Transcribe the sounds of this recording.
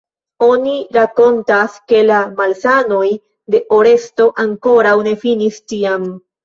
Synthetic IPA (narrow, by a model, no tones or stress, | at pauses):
o̞niɾako̞ntaske̞lamalsano̞j | de̞ʔo̞ɾe̞sto̞ʔaŋko̞ɾawne̞finistiam